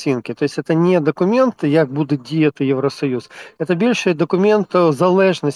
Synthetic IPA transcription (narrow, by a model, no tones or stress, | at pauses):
inkʲɪt̪o̞jɪsʲɛt̪ənʲed̪əkʊmʲent̪ɨjak̚bud̪ʊt̪̚dʲɪjet̪ɨjɪvɾəsɐjusɛt̪əbʲelʲʂɨjd̪əkʊmʲent̪zɐlˠɛʐnəsʲ